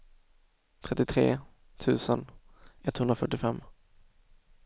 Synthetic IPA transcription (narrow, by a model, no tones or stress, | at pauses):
t̪ʰɾɛt̪ːɪt̪ʰɾḛː | t̪ʰʉ̟ːsənɛt̪hɵnd̪ɾafœʈːɪfɛmː